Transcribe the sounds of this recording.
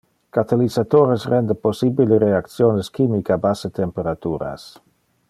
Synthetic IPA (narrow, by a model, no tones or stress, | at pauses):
kat̪alizat̪oɾesrɛnd̪əposibileɾeak̚t̪sjoneskimikabaset̪empeɾat̪uːɾa̰s